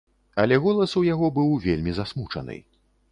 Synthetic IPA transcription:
ɐlʲɛɣɔlˠɐsujaɣɔbɨwvʲelʲmʲizasmut͡ʂɐ̰nɨ̰

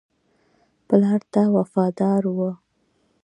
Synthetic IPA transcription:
pəlɑɾt̪awafɑd̪ɑɾwə

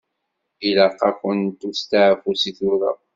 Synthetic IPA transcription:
ilaqːɑkʷʊnt̪ust̪aʕfusiθʊɾə̰

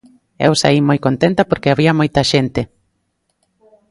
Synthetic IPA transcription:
ɛ̰wsa̰imojkont̪ent̪apoɾkeaβiɐmojt̪ɐʃent̪e

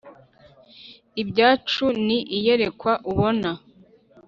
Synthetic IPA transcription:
ibɟaːt͡ʃuniʔijeɾe̞kwaʔuβo̞na

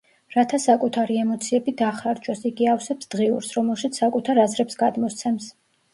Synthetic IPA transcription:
ɾat̪ʰasakʼut̪ʰaɾiɛmɔt̪sʰiɛbid̪aχɾaɾd͡ʒʰʼɔsiɡiafsɛpsd̪̥ʁiṵɾsɾɔmɛlˠʃit̪sʰsakʼut̪ʰaɾazɾɛpsɡad̪mɔst̪sʰɛms

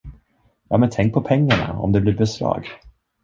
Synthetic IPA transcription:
jɑːmɛnt̪ʰɛŋk̚pʰɔpʰɛŋːaɳa̰ɔ̰md̪ɛblɪɾbɛsɾɑ̰ːɡ

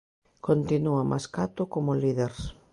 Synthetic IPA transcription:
kont̪inuamʔa̰skat̪okomoliðeɾs

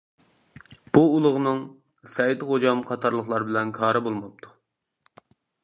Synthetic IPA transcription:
b̥uːlˠʊʁnɨŋ | sɛjd̪χod͡ʒɑmqʰɑt̪ʰɑɾlˠəχlˠɑɾbɪlɛnkʰɑːɾɨbolˠmɑp̚t̪ʰu̥

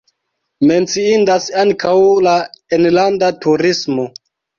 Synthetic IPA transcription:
me̞nt͡siindasaŋkawlaenlandatuɾismo

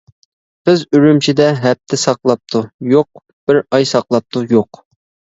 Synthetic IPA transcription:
bɪzyɾymt͡ʃʰid̪ɛɦɛp̚t̪ʰɪsɑqlˠɑp̚t̪ʰujoq̚ | b̥ɪɾɑjsɑqlˠɑp̚t̪ʰujoq

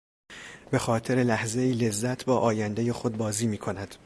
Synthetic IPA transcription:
be̞xɒːt̪ʰe̞ɾe̞læhze̞iːle̞zːæt̪ʰbɒːʔɒːjænd̪eje̞xo̞d̪̚bɒːziːmiːkʰo̞næd̪̥

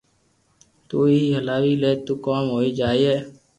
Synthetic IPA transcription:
t̪uːiːɦəlaːʋiːleːt̪uːkoːmɦoːiːd͡ʒaːiːeː

